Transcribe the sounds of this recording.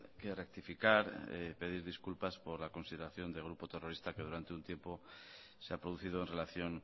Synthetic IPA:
kerek̚t̪ifikaɾḛpe̞ð̞iɾðiskulpaspo̞ɾlako̞nsiðe̞ɾaθjo̞nd̪eɣ̞ɾupo̞t̪e̞ro̞ɾist̪ake̞ðuɾant̪e̞unt̪je̞mpo̞ | seapɾo̞ðuθiðoenrelaθjo̞ŋ

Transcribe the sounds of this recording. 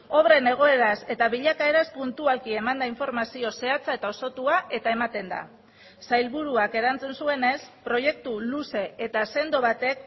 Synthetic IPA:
o̞βɾe̞ne̞ɣ̞o̞e̞ɾase̞t̪aβiʎakae̞ɾaspunt̪ualkie̞mand̪aiɱfo̞ɾmasio̞se̞at͡sae̞t̪ao̞so̞t̪uaʔe̞t̪ae̞mat̪e̞nd̪a̰ | sajlβuɾuake̞ɾant͡sensue̞ne̞spɾo̞je̞k̚t̪uluse̞et̪ase̞nd̪o̞βat̪e̞k̚

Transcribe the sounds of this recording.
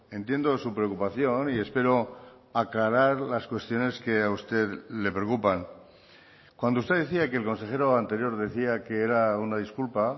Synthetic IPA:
e̞nt̪je̞nd̪o̞supɾeokupaθjo̞nie̞spe̞ɾo̞ | aklaɾaɾlaskwe̞st̪jo̞ne̞ske̞aust̪e̞ðle̞pɾeokupaŋ | kwand̪oust̪e̞ðeθiake̞ːlko̞nse̞xe̞ɾo̞ant̪e̞ɾjo̞ɾðe̞θiake̞eɾaunaðiskulpa

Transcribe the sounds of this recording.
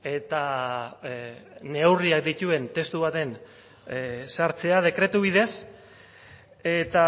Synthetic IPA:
e̞t̪a | ne̞wriak̚d̪it̪ue̞nt̪e̞st̪uβ̞at̪e̞n | saɾt͡se̞að̞e̞kɾe̞t̪uβ̞ið̞e̞s | e̞t̪a

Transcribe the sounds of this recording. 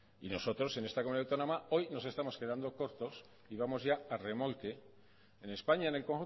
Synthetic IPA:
ḭno̞so̞t̪ɾo̞se̞ne̞st̪akomunijðawt̪onõmao̞jno̞se̞st̪amo̞ske̞ðand̪o̞ko̞ɾt̪o̞s | iβamo̞zʝaare̞mo̞lk̪e | ene̞spaɲaene̞lkoŋxu

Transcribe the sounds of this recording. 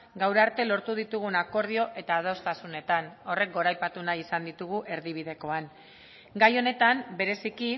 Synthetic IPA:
ɡawɾeaɾt̪e̞lo̞ɾt̪uð̞it̪uɣ̞unako̞ɾð̞io̞ʔe̞t̪aːð̞o̞st̪asune̞t̪ano̞re̞k̚ɡo̞ɾajpat̪unajisand̪it̪uɣ̞uʔe̞ɾðiβ̞ið̞e̞ko̞an | ɡajo̞ne̞t̪ambe̞ɾe̞siki

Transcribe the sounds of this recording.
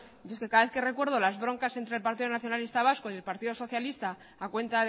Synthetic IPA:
oskekaðaβe̞θke̞re̞kwe̞ɾð̞o̞lazβɾo̞ŋkase̞nt̪ɾelpaɾt̪iðonaθjo̞nalist̪aβaskoje̞lpaɾt̪iðo̞so̞θjalist̪aː | kwẽ̞nt̪að

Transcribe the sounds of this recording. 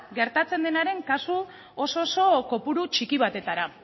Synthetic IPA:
ɡe̞ɾt̪at͡se̞nd̪e̞naɾe̞ŋkasu | oso̞ːso̞ko̞puɾut͡ʃikiβ̞at̪e̞t̪aɾa

